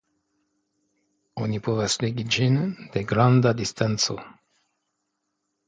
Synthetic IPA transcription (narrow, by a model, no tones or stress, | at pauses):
onipovesleɡid͡ʒind̪eɡɾand̪ad̪ist̪ant̪so̰